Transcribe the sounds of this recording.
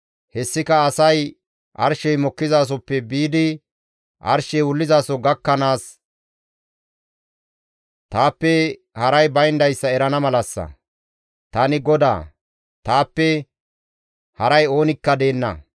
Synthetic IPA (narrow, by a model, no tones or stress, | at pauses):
hɛsːɪkɐːsɐj | ʔɐ̰ɾʃɛjmɔkːɪzaːs̬ɔpːɛbiːd̪ɪ | ʔɐ̰ɾʃɛjwʊlːɪzaːsɔɡɐkːɐnaːs | t̪aːpːɛ | hɐɾɐjbɐjnd̪ɐjsːɐɛɾɐnɐmɐlɐsːɐ̰ | t̪ɐnɪɡɔd̪a̰ː | t̪aːpːɛ | hɐɾɐjo̞ːnɪkːɐd̪e̞ːnːɐ̰